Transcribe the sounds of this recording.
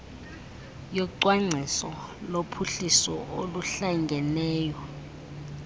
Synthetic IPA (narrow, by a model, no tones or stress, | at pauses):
jɔǀwaŋ͡ǀʱisɔlopʰuɬisɔoluɬaŋɡʱɛnɛːjɔ